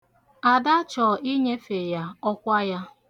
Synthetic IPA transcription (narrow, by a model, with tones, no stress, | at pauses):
a˨da˦t͡ʃɔ˨ʔi˦ɲe˦fe˨ja˦ɔ˦kʷa˦ja˦